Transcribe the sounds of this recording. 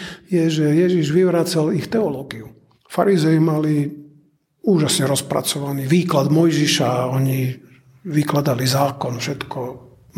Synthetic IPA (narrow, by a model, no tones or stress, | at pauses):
jɛʒɛjɛʒiʒʋiʋɾaːt͡salixt̪ɛɔlɔːɡiu | faɾizɛimali | uːʒasɲɛɾɔspɾa̰t͡sɔʋaniːʋiːklad̪mɔjʒiʃaɔɲi | ʋiklad̪alizaːkɔnfʃɛt̪kʰɔ